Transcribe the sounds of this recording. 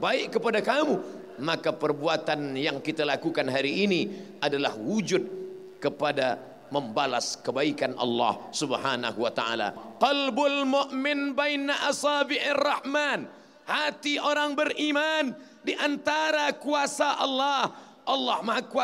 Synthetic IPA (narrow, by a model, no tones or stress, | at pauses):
baɪʔkəpadakamu | makapərbuat̪anjaŋkit̪alakukanɦaɾiːniʔadalahwud͡ʒʊd̚ | kəpada | məmbala̰skəbaikanʔɑ̰lːɑ̰hsubhana̰ɦuwat̪a̰a̰la̰qɑlbʊlmʊʔmɪnbajnaʔasɑːbɪʔɪrːɑhman | hat̪iʔoɾaŋbərʔiman | diʔant̪aɾakuasaʔɑlːɑh | ʔɑlːɑhmakua